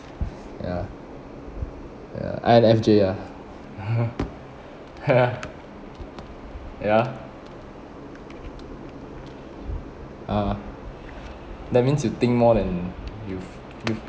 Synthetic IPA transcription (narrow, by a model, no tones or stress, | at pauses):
ja̰ | ja̰ʔa̰ɛnɛfd͡ʒeja | ja | ja | ʔa | dɛt̚mĩnsjut̪ɪ̃ŋk̚mɔdɛ̃njuf | juf